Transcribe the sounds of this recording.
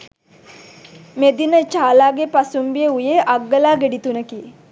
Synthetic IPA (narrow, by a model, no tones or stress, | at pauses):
med̪inət͡ʃaːlaːɡepasumbijeujeʔaɡːəlaːɡeɖit̪unəki